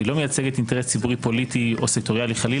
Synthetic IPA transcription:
ilo̞mejat͡seɡetinte̞ʁest͡sibuʁipo̞litio̞sek̚to̞ʁialiχali

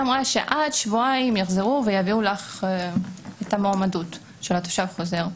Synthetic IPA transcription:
amʁaʃe̞ʔadʃvuaimjaχzeʁuvejaviulaχ | etamoamadut | ʃelat̪o̥ʃavχoze̞ʁ

